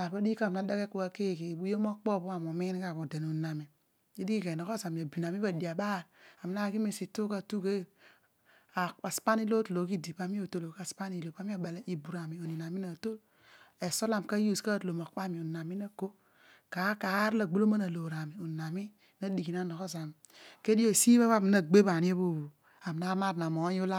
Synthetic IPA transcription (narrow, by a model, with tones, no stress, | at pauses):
a˨ɾba˦di˦ka˦˨mna˦da˦ke˦ku˨a˦ke˦˨ke˨bu˦jo˦mo˦k͡pɔ˦˨bu˦a˨mo˨mi˦n˦ka˦˨bo˨de˨nu˨na˨mi˨ | i˦di˦ki˦ke˨nɔ˨ko˦sa˨mi˨a˨bi˨na˨mi˦ba˨di˨a˨ɓa˦˨ɾa˨m˨na˦ki˦mi˨si˨tu˦ka˦˨tu˦ke˦˨ | a˨a˨spa˦ni˦lo˦tlo˨˦ki˦di˨pa˦mi˦o˨to˦lo˨ka˦spa˦ni˨lo˨pa˦mi˦a˦˨ɓa˨la˦ʔi˨bu˨ɾa˨mi˨o˨ni˨na˨mi˦na˨to˦ | e˨so˦la˨m˨ka˦ju˦˨ska˦tlo˨ma˨kk͡pa˦mi˨o˨na˨mi˦na˦ko˦ | ka˨˦ka˨˦ɾa˨ɡ͡bo˦lo˦ma˦na˨lo˨ɾa˨mi˨o˨na˨mi˦ | na˦di˨ki˨na˦no˨ko˦za˨m | ke˦di˦o˦˨si˦ba˦βa˦˨m˨na˦˨ɡ͡be˦ba˨ni˦e˦bo˦˨o˨ | a˨m˨na˦a˦ɾa˨mo˨˦ju˦la˦